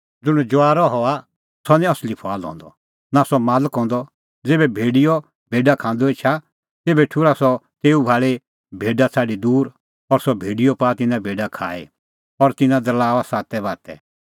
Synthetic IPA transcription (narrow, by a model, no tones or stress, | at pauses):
d͡zʊɽ̃ɛ̃d͡ʒʊaːɾɔɦɔa | sɔnĩɐslipʰaːlɦɔ̰̃ːnd̪ɔ̰ | nasɔmaːləkɦɔ̃ːnd̪ɔ | d͡zeːbɛbʱeːɖijɔ | b̥ʱeːɖakʰãːnd̪ɔeːt͡ʃʰa | t̪eːbɛʈʰuɾasɔt̪eːubʱaːɭe | bʱeːɖat͡sʰaːɖid̪uːɾ | ɔɾsɔbʱeːɖijɔpaːt̪ɪnãbʱeːɖakʰa̰ːḛ | ɔɾt̪ɪnãd̪ɐlaːʋasaːt̪ɛbaːt̪ɛ̰